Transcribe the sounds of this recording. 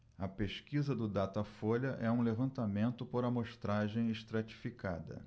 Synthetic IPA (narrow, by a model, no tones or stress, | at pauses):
ɐpeʃkizɐd̪ʊd̪at̪ɐfoʎɐʔɛũlevɐ̃nt̪amẽnt̪ʊpoɾɐmoʃt̪ɾaʒẽj̃eʃt̪ɾat͡ʃi̥fikad̪ɐ̰